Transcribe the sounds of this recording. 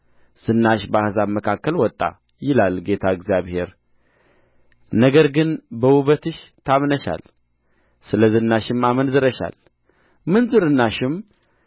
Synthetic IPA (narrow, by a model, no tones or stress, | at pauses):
z̥ɨnːaʃbəahzaməkʰakːəlwɔt̪ʼːa̰ | jɪlalɡe̞t̪ʰaɨɡzijaβhe̞ɾ | nəɡəɾɡɨnbəwuβət̪ɨʃt̪ʰamnəʃa̰l | sɨləzɨnːaʃɪmamənzɨɾəʃa̰l | mɨnzɨɾɨnːaʃɪm